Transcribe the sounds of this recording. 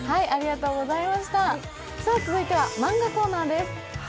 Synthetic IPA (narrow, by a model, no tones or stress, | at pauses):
haiaɾʲiɡat̪o̞ːɡo̞zaimaɕi̥t̪a | saːt͡sɨzɨit̪e̞βamãŋɡako̞ːnaːd̪e̞sɨ̥